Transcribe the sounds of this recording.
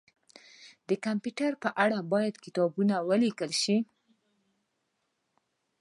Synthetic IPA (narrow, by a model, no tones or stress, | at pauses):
d̪əkampjuʈaɾpəʔaɽabɑjad̪kɪt̪ɑbunawəlikəlʃi